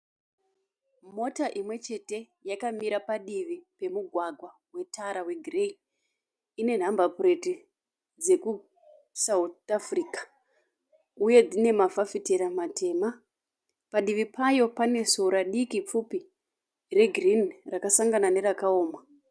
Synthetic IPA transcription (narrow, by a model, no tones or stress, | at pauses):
mo̞taʔimwe̞t͡ʃe̞te̞ | jakamiɾapaɗiʋipe̞muɡʱwaɡʱwa | we̞tʰaɾawe̞ɡʱrei | ine̞n̤ambapure̞ti | d͡ze̞ku | sautafrikḁ | uje̞d͡zine̞mavafiteɾamatʰe̞ːma | paɗiʋipajo̞pane̞soɾaɗikip͡fupi | re̞ɡʱrinrakasaŋɡanane̞ɾakaoːma